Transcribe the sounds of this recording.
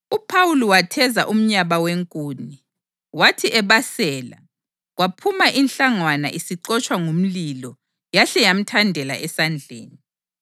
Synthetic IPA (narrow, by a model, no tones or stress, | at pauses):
upʰawuliwatʰɛza̰ʔum̩ɲaβaweŋkʼuːni | watʰiʔɛβasɛːla̰ | ɣwapʰumaʔinɬaŋwana̰ʔisiǀɔt͡ʃʼwaŋum̩lilɔ | jaɬɛjam̩tʰandʱɛla̰ʔɛsand͡ɮʱḛːni